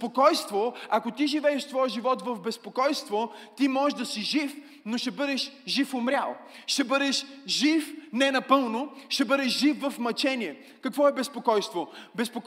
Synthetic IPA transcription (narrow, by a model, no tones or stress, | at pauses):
pokɔjst̪voakot̪iʒivɛɛʃt̪vɔjəʒivɔt̪vɐvbɛspokɔjst̪vot̪imɔʒd̪ɐsiʒif | noʃɛbɤd̪ɛʃʒifʊmɾʲa̰lˠ | ʃɛbɤd̪ɛʃʒifnɛnɐpɤlˠnoʃɛbɤd̪ɛʃʒifːɐfmɐt͡ʃɛniɛ | kɐkvɔɛbɛspokɔjst̪vobɛspok